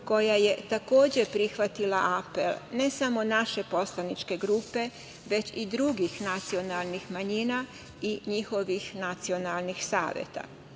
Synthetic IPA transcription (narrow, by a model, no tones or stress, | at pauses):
ko̞jaje̞t̪ako̞ːd͡ʑe̞pɾixʋat̪ilaʔapḛlne̞samo̞naʃe̞po̞slˠanit͡ʃke̞ɡɾuːpe̞ | ʋe̞t͡ɕid̪ɾuɡixnat̪sio̞nalˠnixmaɲina | iɲixo̞ʋixnat̪sio̞nalˠnixsa̰ːʋjḛt̪a̰